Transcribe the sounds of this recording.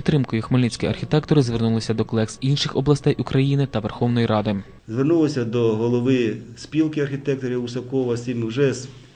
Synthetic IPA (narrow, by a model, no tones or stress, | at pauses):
pʲit̪ːɾɪmkɔjʊxmolʲnit͡sʲkijɐ̰rxʲit̪ɛkt̪ɔɾɪzʋernulˠɪsʲɐd̪ɔklˠɛksinʃɪxɔblˠɐst̪ɛjʔukɾɐjinɪt̪ɐʋerxɔwnɔjiɾɑd̪ɪ | zʋernulˠɔsʲɐd̪ɔɦɔlˠɔʋɪspʲilˠkɪɐrxʲit̪ɛk̚t̪ɔɾʲiusɐkɔʋɐsʲimʲʒɛs